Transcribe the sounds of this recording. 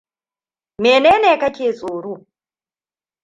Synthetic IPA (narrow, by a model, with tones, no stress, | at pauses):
mɛ˨nɛ˦nɛ˦˨˦ka˦t͡ʃʰe˦˨t͡sʼuː˨ɾu˦˨